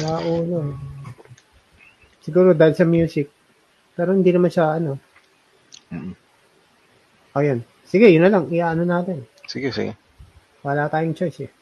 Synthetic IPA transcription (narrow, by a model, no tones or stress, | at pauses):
laːʔuːʔɐno | sɪɡuːɾod̪aːhɪlsɐmjuːsɪk̚ | pɛːɾohɪnd̪inɐmanʃɐʔɐno̞ | ʔojon | sɪɡɛjʊnːɐlɐŋʔɪʔaːʔɐnonaːt̪ɛnsɪɡɛsɪ̰ɡɛ | wɐlaːt̪aːjʊŋt͡ʃojsɛ